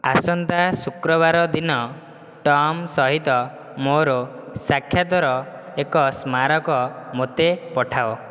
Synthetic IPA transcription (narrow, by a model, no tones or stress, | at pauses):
asɔnt̪asukɾɔbaɾɔd̪inɔ | ʈɔmsɔɦit̪ɔ | moɾo | sakʰjat̪ɔɾɔ | ekɔsmaɾɔkɔmot̪epɔʈʰaɔ